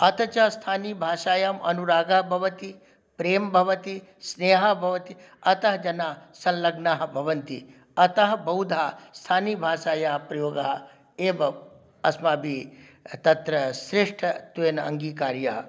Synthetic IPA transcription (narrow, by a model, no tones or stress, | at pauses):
ɐt̪ɐt͡ʃɐst̪ʰaːniːbʱaːʃaːjaːmɐnuɾaːɡaɦbʱɐʋɐt̪i | pɾeːmbʱɐʋɐt̪i | sneːɦɐbʱɐʋɐt̪i | ɐt̪ɐɦɐd͡ʒɐnaːsɐ̃nlɐɡnaːɦɐbʱɐʋɐnt̪ḭ | ɐt̪ɐɦɐbɐwd̪ʱaːst̪ʰaːniːbʱaːʃaːjaːɦpɾɐjoːɡaɦɐ | eːbɐ | ɐsmaːbʱi | t̪ɐt̪ɾɐsɾɪʂʈʰɐt̪uenɐ̰ŋɡiːkaːɾjaː